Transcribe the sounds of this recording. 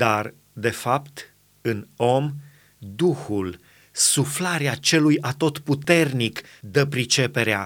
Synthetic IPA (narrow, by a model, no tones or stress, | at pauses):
d̪̥ar | d̪e̞fapt̪ | ɨno̞m | d̪uhul | suflaɾeat͡ʃe̞lujat̪o̞t̪put̪e̞rnik | d̪əpɾit͡ʃe̞pe̞ɾea̰